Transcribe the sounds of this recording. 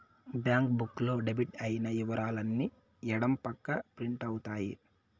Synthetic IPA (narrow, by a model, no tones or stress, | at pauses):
bjaːŋk̚bukːlo̞ːɖebiʈɐjinɐjiʋɐɾaːlɐnːi | ɛɽɐmpɐkːɐpɾiɳʈɐwut̪aːjḭ